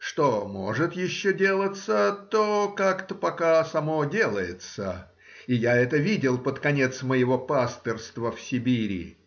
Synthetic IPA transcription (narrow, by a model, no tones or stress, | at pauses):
ʂt̪omoʐɨt̪jɪɕːodʲe̞lˠət̪sət̪okakt̪əpɐkasɐmodʲe̞lˠəjɪt̪sə̰ | ijaɛt̪əvʲidʲɪlˠpət̪kɐnʲe̞t̪sməjɪvopast̪ərst̪vəfsʲɪbʲiɾʲɪ̰